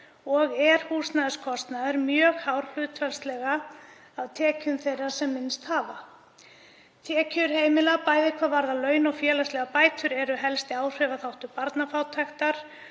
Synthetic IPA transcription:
ɔɣɛɾ̥huːsnaðʏskʰɔst̪naðɪɾmjœːɣhawɾ̥l̥ʏːt̪fɛlst̪lɛɣa | awt̪ʰɛːcʏmθejrːḁsɛmːɪnst̪haːva | t̪ʰɛːcʏɾ̥heːjmɪlapaːjðɪkʰvavaɾðalœːɥnɔɣfjɛːlastlɛɣapaːjt̪ʰʏɾɛɾʏɦɛlst̪ɪaːwr̥œvaθawht̪ʏpaɾt̪nafawt̪ʰaxt̪aɾ̥

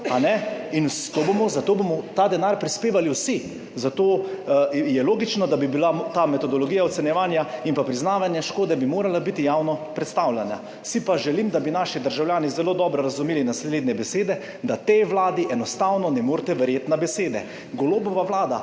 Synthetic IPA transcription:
anɛint̪oːbomɔzat̪oːbomɔt̪ad̪ɛnaːɾpɾispeːʋaliwsi | zat̪oː | jɛloːɡit͡ʃnɔd̪abibilat̪aːmɛt̪ɔd̪ɔlɔɡijaɔt̪sɛnjɛʋaːnjaimpapɾiznaːʋanjɛʃkoːd̪ɛbimoːɾalabit̪ijaːwnɔpɾɛt̪st̪awljanja̰ | sipaʒɛlimd̪abinaːʃid̪əɾʒawljaːnizɛloːd̪ɔːbɾɔɾazumiːlinasleːd̪nʲɛbɛseːd̪ɛ | d̪at̪ejʋlaːd̪iʔɛnɔst̪awnɔnɛmoːɾt̪ɛʋɛɾjeːt̪nabɛseːd̪ɛ̰ | ɡɔloːbɔʋaʋlaːd̪a̰

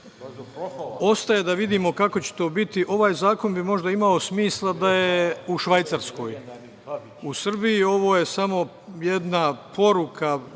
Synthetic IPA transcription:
o̞st̪ajed̪aʋid̪iːmo̞kako̞t͡ɕe̥t̪o̞ːbit̪iʔo̞ʋaːjzaːko̞nbimo̞ʒd̪aimao̞smiːslˠad̪ajeuʃʋajt̪saɾsko̞ːj | usr̩bijio̞ʋo̞ːje̞samo̞ | jed̪napʰo̞ɾukʰa

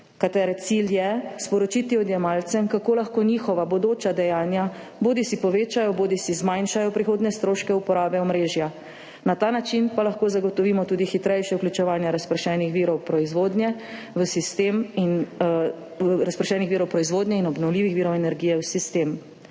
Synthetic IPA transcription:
kat̪ɛɾɛt̪siljɛspɔɾɔt͡ʃit̪iɔd̪jɛmalt̪sɛmkakoːlaxkoːnixɔʋabɔd̪oːt͡ʃad̪ɛjaːnja | boːd̪isipɔʋeːt͡ʃajɔboːd̪isizmajnʃajɔpɾixoːd̪nɛst̪ɾoːʃkɛupɔɾaːbɛɔmɾeːʒja | nat̪aːnat͡ʃinpalaxkoːzaɡɔt̪ɔʋimɔt̪uːd̪ixit̪ɾɛjʃjɛuklʲut͡ʃɛʋaːnjaɾaspɾɛʃɛnixʋiːɾɔwpɾɔizʋoːd̪nʲjɛ | ʋəsist̪emin | ɾaspɾɛʃɛːnixʋiːɾɔwpɾɔizʋoːd̪njɛinɔbnɔwliːʋixʋiːɾɔwɛnɛɾɡiːjɛwsist̪eːm

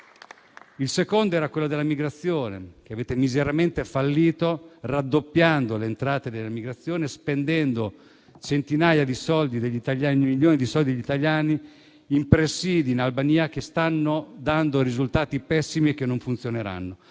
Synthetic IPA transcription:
ilsekond̪oɛːɾakwelːod̪elamiɡɾat̪sːjoːnḛk̟eaveːt̪emizeɾament̪efalːiːt̪orad̪ːopːjand̪olent̪ɾaːt̪ed̪elːamiɡɾat̪sːjoːnespend̪ɛnd̪o | t͡ʃent̪inaːjad̪isɔld̪id̪eʎːit̪aʎjaːnimiʎːoːnid̪isɔld̪id̪eʎit̪aʎːjaːni | impɾesiːd̪iːnalbaniːak̟est̪anːod̪and̪oɾizult̪aːt̪ipɛsːimiek̟ːenːoɱfunt̪sjoneɾa̰nːo

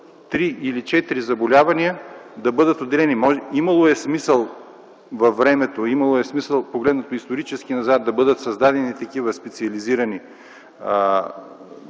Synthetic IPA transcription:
t̪ɾiilit͡ʃɛt̪iɾizɐbolʲavɐniəd̪ɐbɤd̪ət̪od̪ːɛlɛnimɔʒimɐlˠoɛsmisəlˠ | vɐfːɾɛmɛt̪oimɐlˠoɛsmisəlˠpoɡlɛd̪nɐt̪oist̪oɾit͡ʃɛsk̟inɐzat̪̚d̪ɐbɤd̪ət̪sɐzd̪ad̪ɛnit̪ɐkivəspɛt̪siɐliziɾɐni

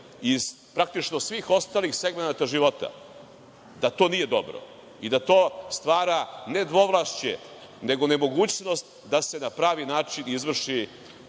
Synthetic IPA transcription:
iz̥ | pɾak̚t̪it͡ʃno̞sʋixo̞st̪aːlixseɡmenat̪aʒiʋo̞t̪a̰ | d̪at̪o̞ːnije̞d̪o̞̰bɾo̰ | id̪at̪o̞ːst̪ʋaːɾane̞d̪ʋo̞ʋlˠaːʃt͡ɕḛ | ne̞ɡo̞ne̞mo̞ɡuːt͡ɕno̞st̪ | d̪ase̞napɾaːʋinaːt͡ʂinizʋr̩ʂi

